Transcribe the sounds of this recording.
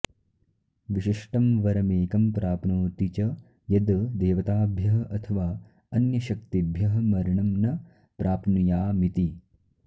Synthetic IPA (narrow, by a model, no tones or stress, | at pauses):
ʋiʃiʂʈɐmʋɐɾɐmeːkɐmpɾaːpnoːt̪it͡ʃɐ | jɐd̪d̪eːʋɐt̪aːbʱjɐɦɐʔɐt̪ʰɐʋaː | ɐnjɐʃɐkt̪ibʱjɐɦɐmɐɾɐɳɐmnɐ | pɾaːpnijaːmit̪i